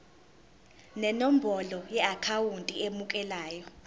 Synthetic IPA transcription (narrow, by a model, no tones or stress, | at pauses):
nɛnom̩bʱɔlɔjɛakʰawuntʼiemukʼɛlaːjɔ